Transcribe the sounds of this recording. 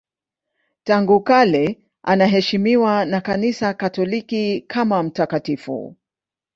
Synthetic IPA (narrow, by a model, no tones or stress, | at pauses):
taŋɡukalɛ | ʔanaɦɛʃimiwanakanisakatɔlikikʰamam̩takatifṵ